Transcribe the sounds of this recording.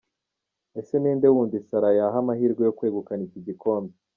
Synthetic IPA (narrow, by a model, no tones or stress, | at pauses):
e̞se̞niːnde̞wuːndisaɾajaɦamahiːɾɡejo̞kwe̞ːɡukaniciɟiko̞ːndo